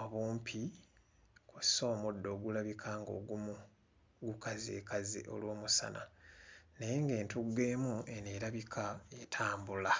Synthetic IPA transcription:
oβuːmpʰi | kusoːmudːo̞ːɡulaβikʰaːŋɡo̞̰ːɡumu | ɡukaziekazḭʔo̞̰lwo̞ːmusa̰nʔa̰ | najeŋɡe̞ːntuɡe̞ːmueneɾaβikʰaetʰaːmbula

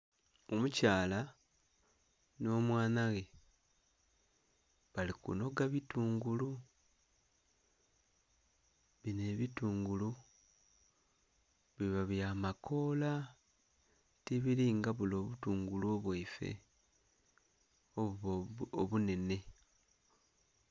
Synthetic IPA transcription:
o̞mucaːla | no̞ːmwaːnaɣe̞ | βalikṵno̞ɡaβituːŋɡulu | βine̞βituːŋɡulu | βiβaβjamakʰo̞ːla | tiβiliːŋɡaβulo̞ːβutuːŋɡuluoβweife̞̰ | o | oβune̞ne̞

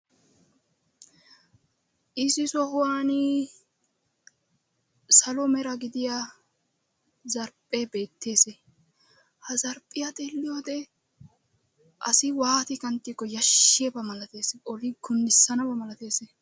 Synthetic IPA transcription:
ʔɪsɪsɔhʊwaːnɪ | sɐlɔmɛɾɐɡɪd̪ɪja | zɐɾpʼːebe̞ːt̪ʰːe̞ːsɛ | hɐzɐɾpʼːɪjat̪ʼelːɪjoːd̪ɛ | ʔɐ̰sɪwaːt̪ɪkɐnt̪ːikːɔjɐʃːɪjɛbɐmɐlɐt̪e̞ːsɛʔɔlɪɡʊnd̪ɪsːɐnɐbɐmɐlɐt̪e̞ːsɛ

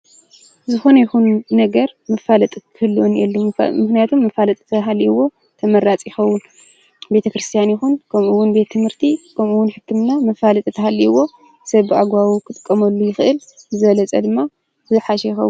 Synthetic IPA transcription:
zɨxonɐjɪxunnɐɡɐɾmɐfalɐt̪ʼkʰɨhɨlːwonjɛlːumɨxnijat̪ʰumːɐfalɐt̪ʼt̪ʰɐɦaliwo̞ | t̪ʰɐmɐɾat͡sʼjɪxɐwːʊn | be̞t̪ʰɐkɾɨst̪ʰijanjɪxunkʰɐmʔuwːʊnbe̞t̪ʰːɨmhɨɾt̪ʰikʰɐmʔuwʊnħɨt̪ʰːɨmnamɐfalɐt̪ʼɨt̪ʰɐhalːiwo̞ | sɐβɨaɡʷawukʰɨt̪ʼɨ̥kʼːɐmɐlːujɪxɨʔɨl | zɨβɐlɐt͡sʼɐd̪ɨmːa | zɨħaʃɛjɪxɐ̰wːu

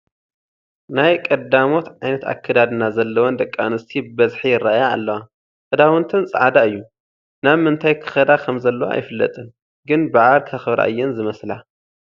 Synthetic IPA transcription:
najkʼɐd̪amo̞t̪ʕajnɐt̪a̰kʰːɨd̪ad̪ɨnazɐlːɐwond̪ɐkʼːanɨst̪ʰibɨbɐzħijɪrːaja̰ːlːɐwa | kʼɨd̪awɨnt̪ʰɨnsʼɐ̰ʕad̪aɨjːu | naβmɨnt̪ʰajkʰɨ̥xɐd̪akʰɐmzɐlːɐwo̰ʔa̰jfɨlːɐ̰t̪ʼɨn | ɡɨnbaʕalkʰɐxɨβɾa̰ʔɨ̰jːɛnzɨmɐsla

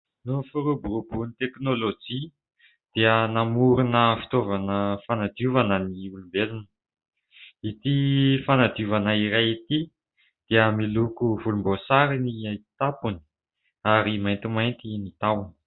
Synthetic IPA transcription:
nufuɾubuɾubunit̪eknolod͡ʒi | d̪̥eənamuɾunəfi̥t̪ovanəfanad̪uvanəniulumbelunə | it̪ifanad̪iuvanəiɾajit̪i | d̪̥eəmilukuvulumbosaɾiniaj̪̥t̪apuni̥ | aɾimajnt̪imajnt̪init̪awni̥

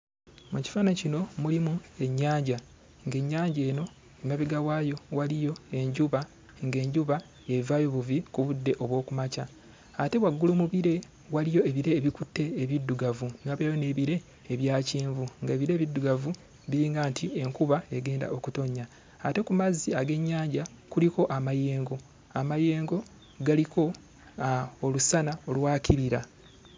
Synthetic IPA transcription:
muci̥faːnacino̞mulimue̞ɲːaːɲɟa | ŋɡe̞ɲːaːɲɟe̞ːno̞ | emaβiɡawaːjo̞walijo̞e̞ɲɟuβa | ŋɡe̞ːɲɟuβa | e̞ivaːjo̞βuvikuβudːe̞ʔo̞βwo̞ːkumacaː | te̞waɡːulumuβiɾe̞ | walijo̞eβiɾe̞ːβikutːe̞ːβidːuɡavunoːβjajo̞ne̞ːβiɾe̞ː | βjaːciːɱvuŋɡaeβiɾe̞ːβidːuɡavu | βiɾiːŋɡaːntʰie̞ŋkuβae̞ɡe̞ːnda̰ʔo̞kuto̞ɲːaː | te̞kumaziaɡe̞ɲːaːɲɟa | kuliko̞ʔamajeːŋɡo̞ | amaje̞ːŋɡo̞ | ɡaliko̞ | olusanao̞lwaːcʰiɾiɾa

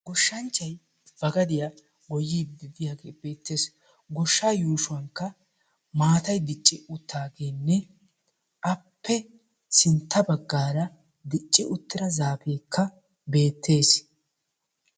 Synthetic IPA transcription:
ɡɔʃːɐnt͡ʃːɐj | b̥ɐɡɐd̪ɪja | ɡɔjiːbɪd̪ɪjaːɡeːbe̞ːt̪ːe̞ːs | ɡɔʃːaːjuːʃʊɐŋkːɐ | maːt̪ɐjd̪ɪt͡ʃʼːɪʊt̪ʰːaːɡe̞ːnːɛ | ʔɐpːɛ | sɪnt̪ːɐbɐɡːaːɾɐ | d̪ɪt͡ʃʼːɪʊt̪ːɪɾɐzaːfe̞ːkʰːɐ | be̞ːt̪ʰːe̞ːs

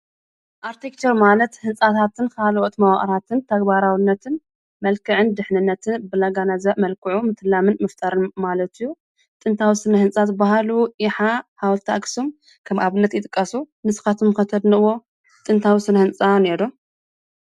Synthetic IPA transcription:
ʔaɾt̪ʰekt͡ʃ̪ʰɐɾmalɐt̪hɨnt͡sʼat̪ʰat̪ʰɨnkʰalʔot̪mɐwa̰χʼɾat̪ʰɨnt̪ʰɐɡbaɾawɨnːɐt̪ʰɨn | mɐlkʰɨʕɨnd̪ɨħnɨnːɐt̪ʰɨnbɨlaɡanazɐmɐlkɨʕumɨt̪ʰɨlːamɨnmɨft̪ʼaɾɨnmalɐt̪ʰijːu | t̪ʼɨnt̪ʰawisɨnɐhɨnt͡sʼat̪baɦaluʔiħahawlt̪ʰa̰ɡsom | kʰɐmʔaβɨnːɐt̪jɪt̪ʼɨkʼːasu | nɨsɨ̥xat̪ʰumkɐt̪ʰɐd̪nɨʔɨwo̞ | t̪ʼɨnt̪ʰawisɨnɐhɨnt͡sʼane̞ɾu

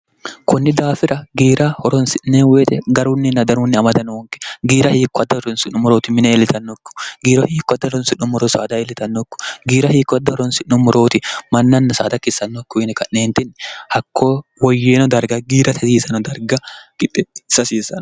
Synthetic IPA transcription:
kʊnːɪd̪aːfɪɾʔɐɡiːɾʔɐhɔɾɔnsɪnːeːweːt̪ɛɡɐɾuːnːɪnːɐd̪ɐɾuːnːɪɐmɐd̪ɐnwɔŋkɛ̥ɡiːɾɐhiːkːɔɐd̪ːɐhɔɾɔnsɪnːʊmʊɾoːt̪ɪmɪnɛɛlɪt̪ɐnːɔkːʊ̥ɡiːɾɐhiːkːɔɐd̪ːɐɔɾɔnsɪnːʊmʊɾoːsa̰ːd̪ɐɛlɪt̪ɐnːɔkːʊ̥ɡiːɾɐhiːkːɔɐd̪ːɐhɔɾɔnsɪnːʊmʊɾo̞ːt̪ɪmɐnːɐnːɐsa̰ːd̪ɐkːɪsːɐnːɔkːʊɪnɛkɐnːe̞ːnt̪ɪnhɐkʰːo̞ːwɔjːeːnɔd̪ɐɾɡɐɡiːɾɐt̪ɐsiːsɐnɔd̪ɐɾɡɐkɪt̪ʼːɛ̥sɐsiːsɐn

